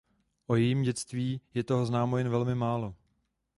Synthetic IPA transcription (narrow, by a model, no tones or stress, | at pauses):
ʔo̞jɛjiːmɟɛt͡st̪viːjɛt̪o̞ɦo̞znaːmojɛnvɛlmɪmaːlo